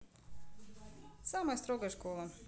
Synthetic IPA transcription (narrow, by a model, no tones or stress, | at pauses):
saːmajst̪ɾɔɡaʃkɔːlˠa